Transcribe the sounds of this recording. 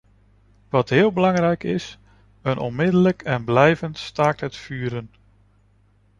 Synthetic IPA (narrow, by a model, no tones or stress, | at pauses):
ʋɑtɦɪːlˠbəlɑŋrɛjkɪs | ənʔɔ̰nmɪdələkʰɛnblɛjvəntstaːɹtɦətfyːɾən